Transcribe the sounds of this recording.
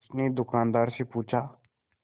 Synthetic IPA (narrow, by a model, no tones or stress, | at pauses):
sned̪ʊkãːnd̪aːɾsepuːt͡ʃʰaː